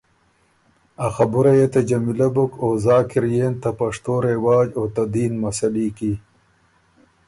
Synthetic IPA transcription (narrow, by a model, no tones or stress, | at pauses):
axabuɾajet̪ad͡ʒɐmilabukoːzɑːkɪɾjeːnt̪apɐʂt̪oɾewɑːd͡ʒot̪ad̪iːnmɐsɐliːki